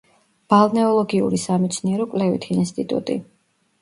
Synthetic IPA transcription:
b̥alˠnɛɔlˠɔɡiṵɾisamit̪sʰniɛɾɔkʼlɛvḭt̪ʰiːnst̪ʼit̪ʼṵt̪ʼḭ

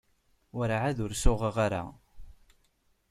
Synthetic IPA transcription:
wəɾʕaðʊɾsʊʁəʁaɾa̰

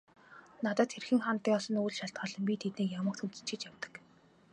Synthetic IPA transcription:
nat̪aːt̪xerxɘ̆ŋχant̪ːiːŋɔsɞ̆nujɮʃaɬt̪̚ɢɔːɮɞ̆mpʲit̪ʰet̪neːjamə̆kt̪xunt͡sɘ̥̆t͡ɕʰɪ̆t͡ɕjaw̥t̪ə̥̆k

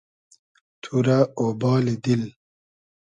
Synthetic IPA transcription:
t̪ʰuɾaobɑːlid̪il

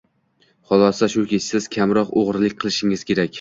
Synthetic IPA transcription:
χɒlˠɒsaʃʊkʲʰet͡ʃsɪz̥kʲʰamɾɒqoʁɾlɪkʲqʰɨlˠɪʃɪŋɪz̥kʲʰe̞ɾakʲ

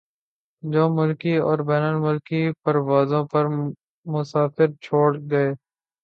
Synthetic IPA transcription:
d͡ʒoːmʊlkiɔːɾbɛːnəlmʊlkipəɾʋaːzõpɐɾ | mʊsaːfɪɾt͡ʃʰoːɽɡɐeː

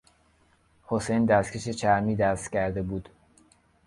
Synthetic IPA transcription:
hosejnd̪æscʰeʃe̞t͡ʃʰæɾmiːd̪æst̪cʰæɾd̪e̞buːd̪

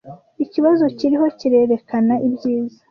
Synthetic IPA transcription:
iciβazo̞ciɾiɦo̞ciɾe̞ɾe̞kanaʔibɟiːza

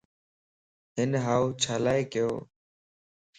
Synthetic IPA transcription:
ɦɪnɦaːuːt͡ʃʰaːlaːeːkɪjo̰ː

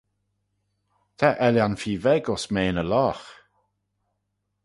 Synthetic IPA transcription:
t̪ʰaʔɛljanfiːvɛɡɔsmeːnəlɔːx

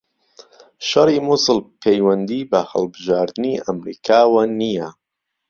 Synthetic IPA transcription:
ʃɐrimusɨlpʰejwɐnd̪iːbɐhɐ̰lbɨʒaːɾd̪ɨniʔɐmɾḭːkʰaːwɐnija

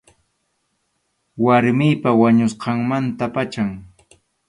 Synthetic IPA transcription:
waɾmɪjpawaɲʊsqɑŋmant̪apat͡ʃaŋ

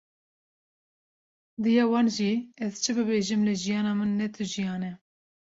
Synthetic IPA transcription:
d̪ɨjɑːwɑːnʒiɛzt͡ʃʰɨbɨbeːʒɨmlɨʒijɑːnɑːmɨnːɛt̪ʰɨʒijɑːnɛ

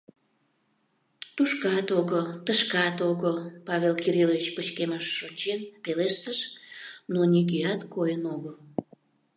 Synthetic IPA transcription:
t̪uʃkɑt̪oɣəlt̪əʃkɑt̪oɣəlpɑvelkiɾilovʲit͡ɕpət͡ɕkeməʃːot͡ɕenpeleʃt̪əʃnonikiɑt̪kojənoɣəl

